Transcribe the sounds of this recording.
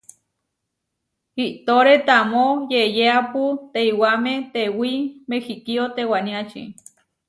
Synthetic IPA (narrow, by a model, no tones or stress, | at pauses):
iʔt̪oɾet̪amojejeaput̪eiwamẽt̪ewimexikiot̪ewanĩat͡ʃḭ